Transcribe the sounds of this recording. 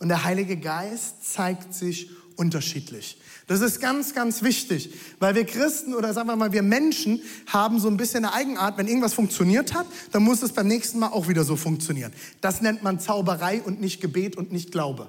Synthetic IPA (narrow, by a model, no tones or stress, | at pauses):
ʔʊntd̥eːɐɦaɪlɪɡəɡaɪstt͡saɪktz̥ɪçʔʊntɐʃiːtʰlɪç | d̥as̬ɪstɡ̥ant͡sɡ̥ant͡sv̥ɪçtɪçvaɪlviːɐkʁ̥ɪstn̩oːɾɐzaːɡŋvaːɐmaːlviːɐmɛnʃn̩haːbm̩zoːnbɪsçənːəʔaɪɡŋ̩ʔaːɐtvɛnʔɪɐɡŋ̩tv̥asfʊŋkt͡sjoniːɐthat | d̥anmʊsd̥asb̥aɪmnɛːçstn̩maːlʔaʊxv̥iːdɐzoːfʊŋk̚t͡sjoniːʁ̞ən | d̥asnɛntmant͡saʊbəʁaɪʔʊntnɪçt̚ɡ̥əbeːtʊntnɪçt̚ɡ̥laʊbə